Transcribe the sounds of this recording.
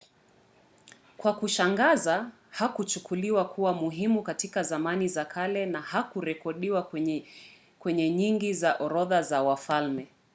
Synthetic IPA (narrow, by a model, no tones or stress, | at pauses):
kwakuʃaŋɡaza | hakut͡ʃukʰuliwakʰuwamuɦimukatikazamanizakʰalɛnahakuɾɛkɔɗiwa | kwɛɲɛɲiŋɡizaʔɔɾɔðazawafalmɛ